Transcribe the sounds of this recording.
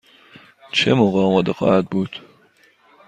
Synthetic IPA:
t͡ʃʰemoɣɒːmɒːd̪exɒ̰ːhæd̪̚buːd̪̥

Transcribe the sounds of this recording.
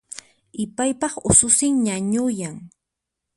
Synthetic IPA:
ɪpajpɑχʊsʊsɪŋɲaɲʊjaŋ

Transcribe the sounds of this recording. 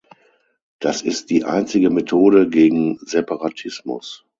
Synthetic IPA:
d̥asɪstd̥iːʔa̰ɪnt͡sɪɡəmetʰoːdəɡeːɡŋ̩zɛpaʁatʰɪsmʊ̰s

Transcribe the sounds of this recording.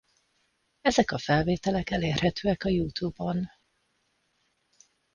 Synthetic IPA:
ɛzɛkɒfɛlveːt̪ɛlɛkɛleːrhɛt̪øːɛkɒjuːt̪ubon

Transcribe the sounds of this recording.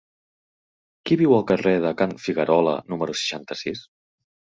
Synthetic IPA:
kiβiwəlˠkəreðəkanfiɣəɾɔlə̰numəɾusə̥ʃant̪əsis

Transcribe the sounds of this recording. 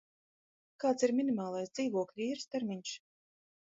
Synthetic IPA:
kaːt̪siɾmʲinimaːlˠajsd̪z̥iːvuɔklʲiiːɾst̪ɛɾmʲiɲs

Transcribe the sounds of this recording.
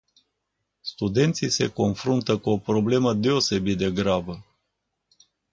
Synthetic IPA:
st̪ud̪e̞nt̪sijse̞ko̞nfɾunt̪əkuo̞pɾo̞ble̞məd̪e̞o̞se̞bit̪̚d̪e̞ɡɾabə

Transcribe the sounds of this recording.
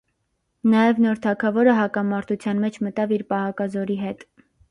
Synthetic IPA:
nɑjɛvnɔɾt̪ʰɑkʰɑvɔɾəɦɑkɑmɑɾt̪ʰut͡sʰjɑnmɛt͡ʃʰmət̪ɑviɾpɑhɑkɑzɔɾiɦɛt̪

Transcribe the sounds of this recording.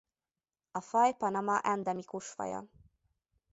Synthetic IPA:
ɒfɒjpɒnɒmɒʔɛnd̪ɛmikuʃfɒ̰jɒ̰

